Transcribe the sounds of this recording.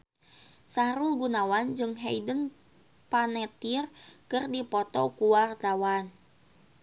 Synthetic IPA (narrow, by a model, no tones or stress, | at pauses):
saɾulɡunawand͡ʒɨŋɦɛidəŋ | panɛt̪irkɨrdipɔt̪ɔkuwart̪awan